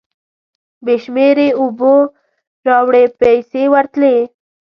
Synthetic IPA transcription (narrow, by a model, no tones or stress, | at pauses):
beʃmeɾeʊbo | ɾɑwɽepajsewəɾt̪le